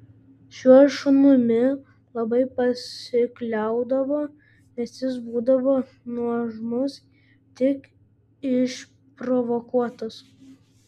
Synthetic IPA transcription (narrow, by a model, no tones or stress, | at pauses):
ʃʲuɔʃʊnʊmʲɪ | lˠɐbɐɪpɐsʲɪklʲɛˑʊd̪ɐʋoː | nʲɛsjɪs̬buːd̪ɐʋoː | nuɔʒmʊs | t̪ʲɪk | ɪʃ | pɾɔʋokuɔt̪ɐs